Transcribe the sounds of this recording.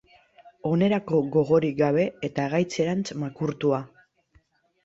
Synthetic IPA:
o̞ne̞ɾako̞ɣo̞ɣ̞o̞ɾiɡaβ̞e̞ːt̪aɣajt͡se̞ɾant͡smakuɾt̪ua

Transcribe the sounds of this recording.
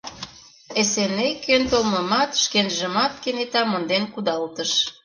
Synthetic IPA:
esenekønt̪olmɤ̆mɑt̪ʃkenʒə̆mɑt̪kenet̪ɑmŏnd̪enkud̪ɑlt̪əʃ

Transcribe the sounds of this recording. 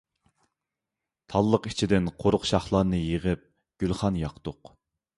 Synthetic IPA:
t̪ʰɑlˠːəqi̥t͡ʃʰid̪ɪnqʰoɾʊqʃɑχlˠɑɾnɨjeʁəp̚ | ɡ̥ʲylˠχɑnjɑqt̪ʊq

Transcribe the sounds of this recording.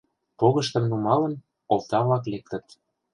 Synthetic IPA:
poɣə̆ʃt̪ə̆mnumɑlə̆n | olt̪ɑβlɑklek̚t̪ə̆t̪

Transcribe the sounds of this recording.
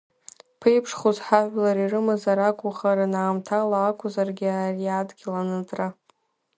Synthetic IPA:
pʰejpʰʂχuzħaʕʷlaɾirɨmazaɾakʷʼʊχaɾanaːmtʰalaːkʷʰʊzarɡʲɪariaːdɡʲilanɨtʼra

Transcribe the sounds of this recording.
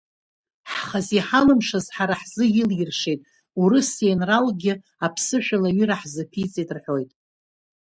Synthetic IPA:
ħχaziħalɨmʂazħaɾaħzɨjɪljɪrʂejtʼ | uɾɨsenralɡʲɪ | apʰsɨʃᶣalaɥʏɾaħzɨpʰit͡sʼitʼrħʷᶣo̞jtʼ

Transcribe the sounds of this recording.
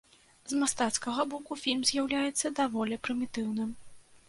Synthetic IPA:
zmast̪at̪skɐɣɐbɔkufʲilʲmzʲjawlʲajɛt̪sːɐd̪avɔlʲɛpɾɨmʲit̪ɨwnɨm

